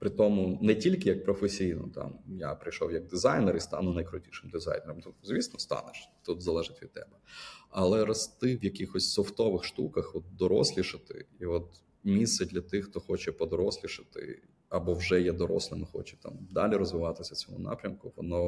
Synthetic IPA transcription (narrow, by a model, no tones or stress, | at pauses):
pɾɪt̪ɔmʊnɛtʲilʲkɪjɐk̚pɾɔfesʲijnɔ̰t̪ɑ̰mjapɾɪjʃɔwjɐɡ̚d̪ɪzɑjnɛɾist̪ɑ̰nʊnɐjkɾʊtʲiʃɪmd̪ɪzɑ̰jneɾɔmt̪uzʋʲisnɔst̪ɑ̰nɪʃt̪ut̪zɐlˠɛʒɪtʲʋʲid̪̚t̪ːɛbɛɐlˠɛɾɐst̪ɪʋjɐkixɔsʲsɔft̪ɔʋɪxʃt̪ukɐxɔt̪̚d̪ɔɾɔ̰sʲlʲiʃɪt̪ɪ̰iɔt̪ | mʲist̪sɛdʲlʲɐt̪ɪxt̪ɔxɔt͡ʃɛpɔd̪ɔɾɔsʲlʲiʃɪt̪ɪ̰ | ɐbɔwʒɛjɛd̪ɔɾɔ̰slʲˠɪnɪxɔ̰t͡ʃɛt̪ɑ̰md̪ɑlʲiɾɔzʋɪʋɑt̪ɪsʲɐt͡sʲɔmṵnɑ̰pɾʲɐmkʊʋɔnɔ